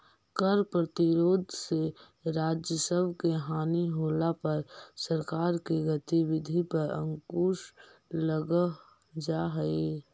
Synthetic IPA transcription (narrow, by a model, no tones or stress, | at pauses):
kəɾpɾət̪ɪɾoːd̪ʱse | ɾaːd͡ʒjəsəbʱkeɦaːniɦoːlapɐɾsəɾkaːɾkeɡət̪iwɪd̪ʱipəɾə̰̃ŋkuːʃləɡə | d͡ʒaɦe